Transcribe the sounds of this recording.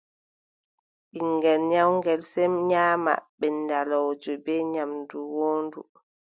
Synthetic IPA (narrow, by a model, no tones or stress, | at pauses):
ɓiŋɡɛlɲawŋɡɛlsɛmɲaːma̰ɓɛndalɔwd͡ʒɔbɛɲamduwoːndṵ